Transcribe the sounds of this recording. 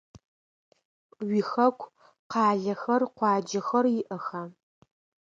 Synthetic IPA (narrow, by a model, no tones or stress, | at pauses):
ɥixɐkʷʰʼ | qɑːɮɐxɐrqʷɑːd͡ʒɐxɐrjɪʔɐxaː